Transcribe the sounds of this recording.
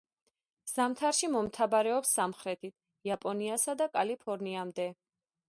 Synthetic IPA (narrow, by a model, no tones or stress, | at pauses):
z̥amt̪ʰaɾʃimɔmt̪ʰabaɾɛɔpsːamχɾɛt̪ʰit̪ʰ | iapʼɔniasad̪akʼalipʰɔɾniamd̪ɛ